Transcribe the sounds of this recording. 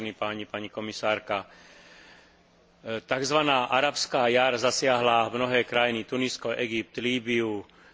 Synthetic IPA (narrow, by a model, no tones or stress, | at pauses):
nipaːɲipaɲikɔmisaːɾka | t̪aɡzʋanaːʔaɾapskaːjaɾzasɪaɦlamnɔɦɛːkɾajinit̪uniskɔʔɛɡip̚t̪liːbiu